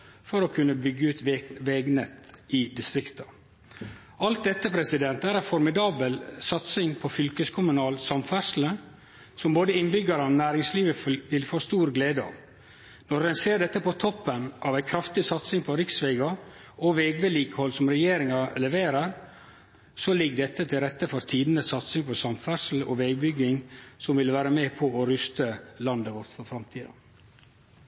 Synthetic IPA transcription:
fɔɾɔkʰʉnːəbʏɡːəʉːt̪ʋɛːɡnɛt̪ʔɪd̪ɪst̪ɾɪkt̪ə | ɑlt̪̚d̪ɛt̪ːəpʰɾɛsɪd̪ɛnt̪æːɾæɪfɔɾmɪd̪ɑːbəlsɑt̪sɪŋpʰɔfʏlkəskʰʊmʉnɑːlsɑmfæɾʂl̩ən | sɔmboːd̪əɪnbʏɡɑɾəɔnæːɾɪŋsliːʋəʋɪlfoːst̪uːɾɡleːd̪əɑ̰ːʋ | nɔɾɛnseːɖɛt̪ːəpɔt̪ʰɔpːənʔɑʋæɪkʰɾɑft̪ɪsɑt̪sɪŋpʰɔɾɪksʋeːɡɑ | ɔʋɛːɡʋeliːkəhɔlsɔmɾɛjeːɾɪŋɑlɛʋeːɾəɾ | sɔlɪɡdɛt̪ːət̪ʰɪlɾɛt̪ːəfɔɾt̪ʰiːd̪nəsɑt̪sɪŋpʰɔsɑmfœɾʂl̩ɔ̰ʋɛɡbʏɡɪŋsɔmʋɪlʋæːɾəmeːpʰɔɔɾʏst̪əlɑnd̪əʋɔɾt̪fɔɾfɾɑmt̪ʰiːd̪ɑ̰

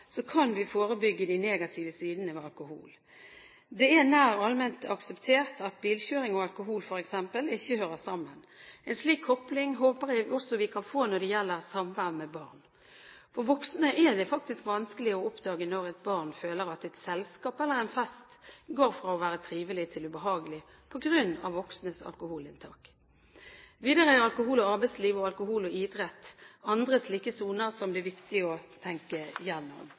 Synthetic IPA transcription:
sɔkʰɑnʋɪfoːɾəbʏɡːəd̪æɪneːɡɑt̪ʰɪʋəsiːd̪nəɑlkʊhṵːl | d̪ɛɛnæːɾɑlmɛnt̪ɑksɛpt̪ʰeːʁt̪ʰɑt̪biːlçøːɾɪŋɔɑlkʊɦuːlfɔɾɛksɛmpəlɪçːəhøːɾəsɑmːən | ɛnsliːkʰːɔplɪŋɦoːpəɾɪɔsɔʋɪkʰɑnfoːnɔɖ̪ɛjɛlːəɾsɑmʋæʁbmɛbɑʁn | fɔɾʋɔksnəʔɛd̪ɛfɑk̚t̪ɪskʋɑnskəlɪɔɔpd̪ɑːɡənɔɾɛɪt̪̚bɑʁnføːləɾɑt̪ɛɪt̪sɛlskɑːpɛlːəɾɛɪnfɛst̪ɡoːɾfɾɑɔʋæːɾət̪ʰɾiːʋəlɪt̪ʰɪlʉbəɦɑːɡəlɪ | pʰɔɡɾʉnːɑ̰ʋʋɔksnəsɑ̰lkʊhuːlɪnt̪ʰɑ̰ːk | ʋiːd̪əʁəæɾɑlkʊhuːlɔɑɾbɛɪsliːʋɔɑlkʊɦuːlɔɪd̪ɾɛt̪ːɑnd̪ʁəsliːkəsuːnəɾsɔmd̪ɪʋɪkt̪ɪəɔt̪ʰɛŋkəjɛnːɔ̰m

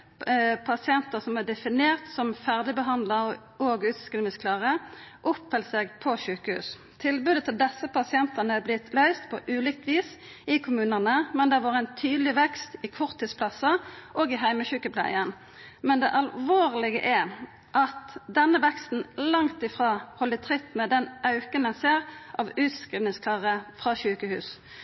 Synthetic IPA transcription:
pʰɑsɪɛnt̪əsɔmɛd̪ɛfɪneːʁt̪sɔmfæʁd̪ɪbəɦɑnd̪lə | oːɡʉːt̪kəlmɪskʰlɑːʁəʔʊpːɛlseːɡpʰɔʃʉːkəhʉ̰ːs | t̪ʰɪlbʉːd̪ət̪ʰɪld̪ɛsːəpɑsɪɛnt̪ənəɛblɪt̪ʰlœʏst̪pʰɔʔʉːlɪk̚t̪ʰʋiːs | ɪkʰʊmʉːnənəmɛnd̪ɛʋɑːʁæɪnt̪ʰyːd̪lɪʋɛkst̪ɪkʰʊʁt̪ʰːiːspʰlɑsəʔoːɡɪɦæɪməçʉːkəpʰlæ̰ɪən | mɛnd̪ɛʔɑlʋoːʁlɪɡə̰ʔɛ | ʔɑt̪d̪ɛnːəʋɛkst̪n̩lɑŋt̪ɪfʁɑːhɔlːət̪ʰʁɪt̪ːmɛd̪ɛnʔɑʉkənɛnseːʁʔɑʋʉːt̪skʁiːd̪nɪŋskʰlɑːʁəfʁɑʃʉːkəhʉ̰ːs

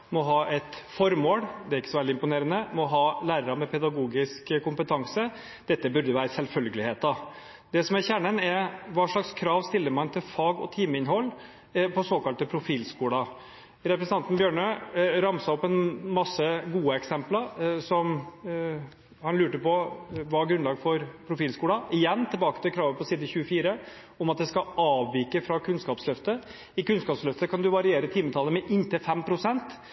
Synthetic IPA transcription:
mɔɦɑːʔɛt̪fɔɾmoːɽd̪ɛæɾɪkːə̥sɔʋɛld̪ɪmpʊneːɾənəmɔɦɑːlæːɾəɾɑmɛpʰɛd̪ɑɡuːɡɪskkʊmpət̪ʰɑŋsə | d̪̥ɛt̪ːəbʉɾd̪əʋæːɾəsɛlfœlɡəlɪheːt̪ɑ | d̪ɛsɔmæɾçæɳənɛɾʋɑːʂɭɑkskʰɾɑːʋst̪ɪlːəɾmɑnt̪ʰɪlfɑːɡɔ̰t̪ʰiːməɪnɦɔlː | pʰɔsoːkɑlt̪əpʰɾʊfiːlskuːɽɑ | ɾɛpɾɛsənɑnt̪n̩bjøːɳøɾɑmsɑɔpːɛnmɑsːəɡuːəɛksɛmplɑɾsɔm | hɑnlʉːʈəpɔʋɑɡɾʉnlɑːɡfɔɾpʰɾʊfiːlskuːɽɑɪjɛnːt̪ʰɪlbɑːkət̪ʰɪkʰɾɑːʋəpʰɔsiːd̪əçʉəfiːɾə | ɔmɑt̪̚d̪ɛskɑɑːʋʋiːkəfɾɑkʰʉnskɑːpslœft̪ə | ɪkʉnskɑːpslœft̪əkʰɑnd̪ʉʋɑɾɪeːɾət̪ʰiːmət̪ʰɑlːəmɛʔɪnt̪ʰɪlfɛmpʰɾʊsɛnt̪

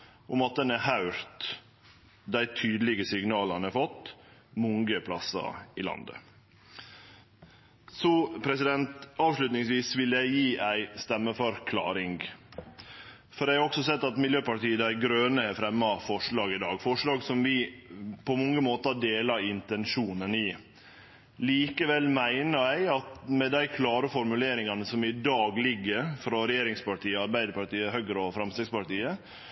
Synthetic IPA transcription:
ʔʊmɑt̪̚d̪ɛnæhɑʉɾt̪ | d̪æɪt̪ʰyːd̪lɪɡəsɪɡnɑːlɑnəɾfɔt̪ːmʊŋɡəpʰlɑsɑ̰ɪlɑ̰nd̪ə̰ | sɔpʰɾɛsɪd̪ɛnt̪ɑːʋʂlʉt̪nɪŋsʋiːsʋɪljæɪjiːʔæɪst̪ɛmːəfɔɾkʰlɑ̰ːɾɪŋɡ | fɔɾjæɪhɑɔksɔsɛt̪ːɑt̪mɪljøːpɑʈiːəd̪æɪɡɾøːnəɛfɾɛmːɑfɔʂɭɑːɡɪd̪ɑːɡfɔʂɭɑːɡsɔmʋɪpʰɔmɔŋːəmoːt̪ɑɖeːlɑɾɪnt̪ɛnʂuːnənɪ | liːkəʋɛlmæɪnəæɪɑt̪mɛd̪æɪkʰlɑːɾəfɔɾmʉleːɾɪŋɑnəsɔmɪd̪ɑːɡlɪɡːəɾfɾɔɾɛjeːɾɪŋspɑʈiːəɑɾbæɪd̪əɾpɑʈiːəhœɡɾəɔfɾɑmst̪ɛɡspɑʈiːə

